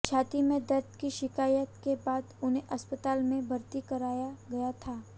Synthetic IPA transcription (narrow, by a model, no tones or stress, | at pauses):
t͡ʃʰaːt̪imẽd̪ɐɾt̪kiʃɪkaːjət̪kebaːd̪ʊnɦẽʔɐspət̪aːlmẽbʱɐɾt̪ikɐɾaːjaɡɐjat̪ʰaː